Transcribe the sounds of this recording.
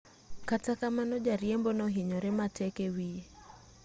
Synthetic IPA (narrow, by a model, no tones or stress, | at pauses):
katakamanɔd͡ʒaɾjembɔnɔɦiɲɔɾɛmatɛkewie